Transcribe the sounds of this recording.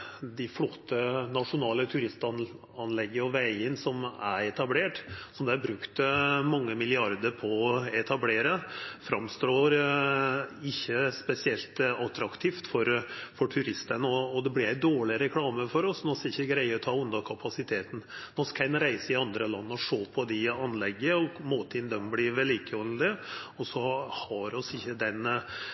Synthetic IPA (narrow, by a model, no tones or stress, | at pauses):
d̪æɪflɔt̪ʰːənɑʂʊnɑːlət̪ʰʉɾɪst̪ɑn | ɑnlɛɡːəɔʋæɪənsɔmæ̰ɾɛt̪ɑbleːʈsɔmd̪ɛæbɾʉkt̪mɑŋːəmɪlɪɑɾd̪əɾpʰɔɛt̪ʰɑbleːɾəfɾɑmst̪ɾoːɾ | ɪçːəspɛsɪɛlt̪ɑt̪ɾɑkt̪ʰiːft̪fɔɾfɔʈʰʉɾɪst̪ənəɔːd̪ɛblɪɾæɪd̪oːɭɪɾɛkʰlɑːməfɔɾɔsnɔskɪçːəɡɾæɪəɾt̪ʰɑʊnd̪ɑkʰɑpʰɑsɪt̪ʰeːt̪n̩nɔskʰɛnːɾæɪsəɪɑnd̪ɾəlɑnːəɔʂoːpʰɔd̪ɪɑnlɛɡːəɔmoːt̪ʰɪnd̪œmblɪʋɛliːkəɔld̪əɔsɔhɑɾɔsɪçːəd̪ɛn